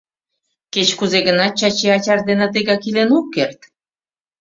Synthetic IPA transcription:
ket͡ɕkuzeɣənɑt̪̚t͡ɕɑt͡ɕeɑt͡ɕɑrd̪enət̪eɣɑkilenokːert̪

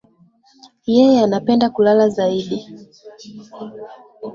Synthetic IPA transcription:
jɛjɛanapɛndakulalazaiɗi

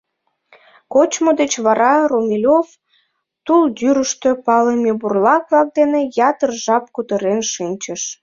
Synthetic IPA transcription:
kot͡ɕmod̪et͡ɕβɑɾɑromʲilʲov | t̪uld̪yɾəʃt̪øpɑlemʲeburlɑk̚βlɑk̚d̪enejɑt̪ərʒɑp̚kut̪əɾenʃinʲt͡ɕəʃ

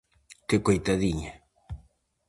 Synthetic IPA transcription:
kɪkojt̪aðiɲa

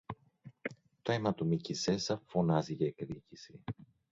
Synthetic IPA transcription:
t̪oemɐt̪omicise̞sɐfo̞nɐziʝɐekðicisi

